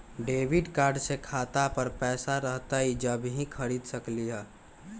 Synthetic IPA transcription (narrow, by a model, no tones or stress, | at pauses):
ɖeːʋiɖkaːɾɖsekʰaːt̪apəɾpɛːsaɾəɦt̪aɦid͡ʒəbɦĩkʰəɾiːd̪səkliɦɛː